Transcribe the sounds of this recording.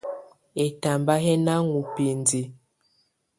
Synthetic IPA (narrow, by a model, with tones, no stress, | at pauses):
ɛ˨ta˨mba˦ɦɛ˦na˦ŋu˨pe˨ndi˨